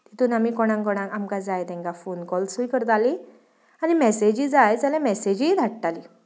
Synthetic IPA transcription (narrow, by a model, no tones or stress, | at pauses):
t̪it̪uːnamikɔɽ̃ãŋkɔɽ̃ãŋkamkad͡zajt̪ɛ̃ŋkafonkɔlsujkəɾt̪ali | animɛsed͡ʑiːd͡zajd͡zalãmɛsed͡ʑid̪ʱaʈʈali